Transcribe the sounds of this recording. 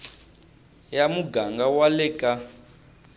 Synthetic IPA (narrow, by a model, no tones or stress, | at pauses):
jamuɡaŋɡawalɛkʼa